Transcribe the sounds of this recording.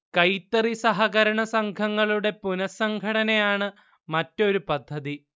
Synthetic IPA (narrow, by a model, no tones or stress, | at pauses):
kɐjt̪ːɐrisɐɦɐɣɐɾɐɳɐsɐŋkʰɐŋːɐɭuɽe̞punɐsɐŋɡʱɐɽɐnejaːɳɨ | mɐtːo̞ɾupɐd̪ʱːɐði